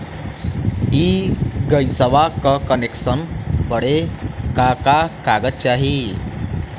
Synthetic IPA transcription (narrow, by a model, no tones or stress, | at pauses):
iɡəjsəʋakəkəneksənpəɽekakakaɡətt͡ɕaɦi